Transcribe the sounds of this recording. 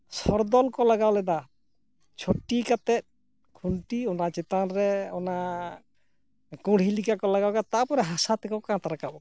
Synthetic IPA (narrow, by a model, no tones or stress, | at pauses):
sɔɾd̪ɔlkɔlaɡawlɛd̪a | t͡ʃʰoʈikat̪ɛt̪̚ | kʰuɳʈiɔnat͡ʃɛt̪anɾɛɔna | kɔ̃ɽ̤ilikakɔlaɡawkat̪apɔɾɛɦasat̪ɛkɔkãt̪aɾakabɔ